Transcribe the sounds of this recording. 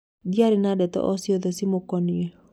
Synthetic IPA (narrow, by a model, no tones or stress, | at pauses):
diaɾinadɛt̪ɔ̰ʔɔsiɔðɔsimokɔniɛ